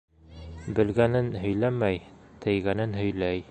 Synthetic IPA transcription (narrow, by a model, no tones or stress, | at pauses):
bɘ̆lɡænɘnɦɵ̆jlæmæjt̪ʰɘ̆jɡænɘnɦɵ̆jlæj